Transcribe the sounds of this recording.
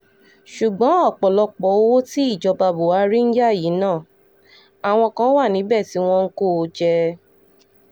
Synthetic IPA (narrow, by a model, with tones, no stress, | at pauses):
ʃu˨ɡ͡bɔ̃˨˦ɔ˦˨k͡pɔ˨lɔ˧k͡pɔ˨˦o˦wo˦ti˦i˦˨d͡ʒɔ˧ba˧bo˨wa˨˧˦ɾi˦n̩˦d͡ʒa˦˨ji˨˦nãː˦˨ | a˨w̃ɔ̃˧kã˧˦wa˦˨nĩ˨˦bɛ˦˨ti˨˦w̃ɔ̃˧ŋ̩˦ko˦˨˧d͡ʒɛ˧